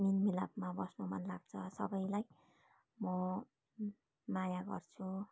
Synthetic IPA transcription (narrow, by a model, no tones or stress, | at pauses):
minmilabmabʌsnomʌ̰nlaɡ̚t͡sʰʌsʌbʌjlaj | mʌ | majaɡʌ̰rt͡sʰu